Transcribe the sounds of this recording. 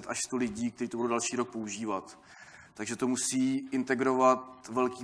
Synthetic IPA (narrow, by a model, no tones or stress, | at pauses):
ɛt̪ʔaʃst̪olɪɟiːk̚t̪ɛɾiːt̪obudowdalʃiːɾok̚pouʒiːvat̪ː | aɡʒɛt̪o̞musiːʔɪnt̪ɛɡɾovat̪vɛlkiː